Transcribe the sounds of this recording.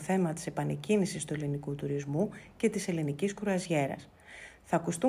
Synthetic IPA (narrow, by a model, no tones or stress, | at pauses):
θe̞mɐt̪i̥se̞pɐne̞cinisist̪ue̞linikut̪uɾizmuce̞t̪ise̞liniciskɾuɐzʝe̞ɾɐ̰s | θɐːkust̪u